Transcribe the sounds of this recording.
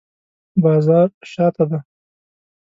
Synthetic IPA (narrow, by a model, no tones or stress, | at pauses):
bɑːzɑːɾʃɑt̪ad̪a